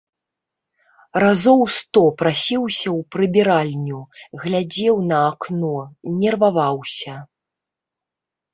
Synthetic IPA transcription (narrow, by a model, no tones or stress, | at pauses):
razɔwst̪ɔpɾasʲiwsʲɐwpɾɨbʲiɾalʲnʲuɣlʲad͡zʲɛwnɐːknɔnʲɛrvavawsʲɐ